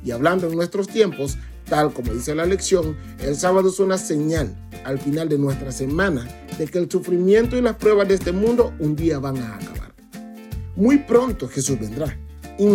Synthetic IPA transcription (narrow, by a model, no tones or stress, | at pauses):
iaβland̪oeŋnwe̞st̪ɾo̞st̪je̞mpo̞s | t̪alko̞mo̞ðise̞laeleksjo̞ŋ | elsaβaðoesunase̞ɲal | alfinald̪e̞nwe̞st̪ɾase̞mãna | ðe̞ke̞ːlsufɾimje̞nt̪oilaspɾwe̞βazd̪eest̪e̞mũnd̪o̞und̪iaβaŋaːka̰βa̰ɾ | mujpɾo̞nt̪oxe̞suzβe̞nd̪ɾa | i